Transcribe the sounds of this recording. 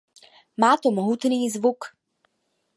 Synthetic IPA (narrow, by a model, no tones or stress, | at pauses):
maːt̪omoɦut̪niːzvuk